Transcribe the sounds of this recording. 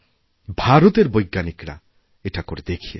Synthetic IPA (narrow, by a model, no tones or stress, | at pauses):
bʱaɾut̪eɾbojɡːanikɾa̰ | eʈakoɾed̪ekʰijḛ